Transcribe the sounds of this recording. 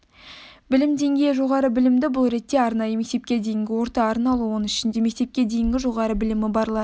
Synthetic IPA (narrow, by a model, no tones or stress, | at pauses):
bɪlɪmd̪e̞ŋɡʲejʒo̞ʁɑɾəbɪlɪmd̪ɪbʊlˠɾe̞t̪ːe̞ɑɾnɑjəme̞k̚t̪e̞p̚kʲe̞d̪e̞jɪŋɡʲɪwo̞ɾt̪ɑːɾnɑlˠuwonɪʃɪnd̪e̞me̞k̚ʲt̪e̞p̚kʲe̞d̪e̞jɪŋɡʲɪʒo̞ʁɑɾəbɪlɪmɪbɑɾlˠɑ